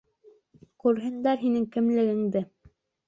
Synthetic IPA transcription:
kʉɾɦɘ̆nd̪æɾɦinɘŋkɘ̆mlɘ̆ɡɘ̆ŋd̪ɘ

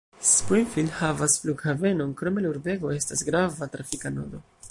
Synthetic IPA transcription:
spinfildhavasfluɡhave̞no̞nkɾo̞me̞luɾbe̞ɡo̞e̞stasɡɾavatɾafikano̰do̞

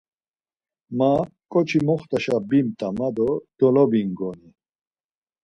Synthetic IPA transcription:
makʼɔt͡ʃʰimɔχt̪ʼaʃabimt̪ʼamad̪ɔd̪̥ɔlɔbiŋɡɔni

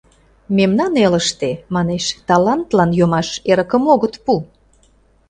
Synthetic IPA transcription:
memnɑneləʃt̪emɑneʃt̪ɑlɑnt̪lɑnjomɑʃeɾəkə̆moɣət̪pu

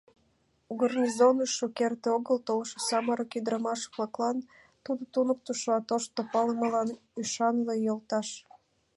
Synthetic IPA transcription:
uɡərnizonuʃokert̪eoɣəlt̪olʃosɑməɾokid̪ɾəmɑʃβlɑklɑn | t̪ud̪ot̪unək̚t̪uʃɑt̪oʃt̪opɑləməlɑn | yʃɑnlejolt̪ɑʃ

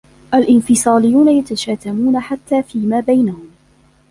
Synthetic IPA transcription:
ʔalʔɪnfɪsˤɑːlɪjːuːnajat̪aʃaːt̪amuːnaħat̪ːaːfiːmaːbajnahʊm

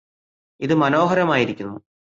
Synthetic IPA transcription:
iðɨmɐno̞ːɦɐɾɐmaːjiɾikʲːunːu

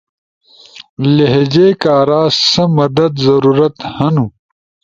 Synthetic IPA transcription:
leɦed͡ʑeːkaːɾaːsɐmɐd̪ɐd̪zɐɾuːɾɐt̪hɐnu

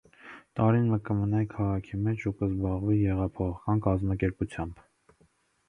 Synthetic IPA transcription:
t̪ɑɾinməkəmənɑjikʰɑʁɑkʰimɛt͡ʃʰukəzbɑʁvijɛʁɑpʰɔχɑkɑnkɑzmɑkɛɾput͡sʰjɑmb̥

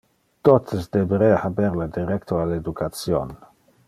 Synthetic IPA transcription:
t̪ot̪əsd̪ebeɾeahabɛɾlad̪iɾɛkt̪ʰoaled̪ukʰat̪sjo̰n

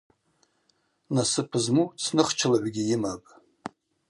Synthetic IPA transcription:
nasɨpʰɨzmut͡sʰnɨχt͡ʃʰalaʕʷɡʲijɪmapʼ

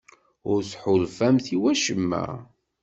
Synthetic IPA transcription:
ʊɾsħʊlfæmθiwæʃəmːæ̰

